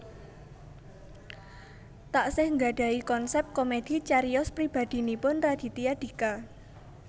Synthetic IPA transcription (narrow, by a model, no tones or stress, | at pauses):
t̪aʔsɪhŋɡa̤ɖ̥a̤ikɔnsɛp̚t̪̚komed̪̥i̤t͡ʃaɾiɔspɾib̥a̤d̪̥i̤nipʊnrad̪̥i̤t̪iad̥̪i̤ka